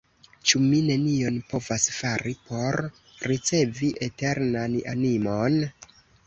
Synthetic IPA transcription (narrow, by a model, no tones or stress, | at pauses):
t͡ʃumine̞nio̞npo̞vasfaɾipo̞ɾː | it͡se̞viʔete̞ɾnana̰nimo̞n